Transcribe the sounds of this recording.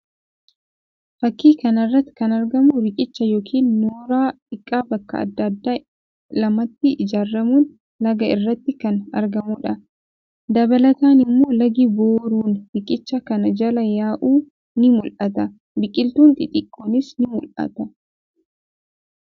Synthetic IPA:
fɐkːiːkɐnɐrːɐt̪ːɪ̥kɐnɐɾɡɐmʊɾɪkʼɪt͡ʃːɐjoːkʰiːnːoːɾaːt̪ɪkʼːaːbɐkːɐ̰ɐ̰d̪ːɐd̪ːaː | lɐmɐt̪ːɪɪd͡ʒaːrːɐmuːn | lɐɡɐɪrːɐt̪ːɪkɐnɐ̰ɾɡɐmʊᶑɐ | d̪ɐbɐlɐt̪aːnɪmːo̞ːlɐɡɪboːɾuːnɾɪkʼɪt͡ʃːɐkɐnɐd͡ʒɐlɐjaːʔuː | nɪmʊlʔɐt̪ɐ | bɪkʼɪlt̪uːnt̪ʼɪt̪ʼɪkʼːoːnɪsnɪmʊlʔɐ̰t̪ɐ

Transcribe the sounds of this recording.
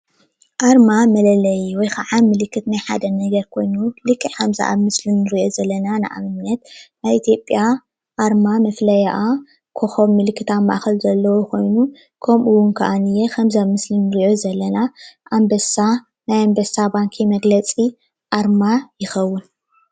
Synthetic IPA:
ʔaɾmamɐlɐlɐjwɔjkʰaʕamɨlɨkːɨt̪najħa̰d̪ɐnɐɡɐɾkʰo̞jnulɨkʰʼːɨħamza̰ʔa̰βmɨslinːɨɾiʔo̞zɐlːɐnanɨʔa̰mɨnnːɐt̪najit̪ʰjo̞pʼːja | ʔaɾmamɐflɐjaʔa | kʰoxoβmɨlɨkʰːɨt̪ʰamːa̰ʔaxɐlzɐlːɐwokʰo̞jnu | kʰɐmʔuwʊnkʰɐʔanɨjːexɐmzamɨslinːɨɾiʔo̞zɐlːɐnaʔambɐsa | najambɐsabaŋkʰimɐɡlɐt͡sʼi | ʔaɾmajɪxɐwːʊn

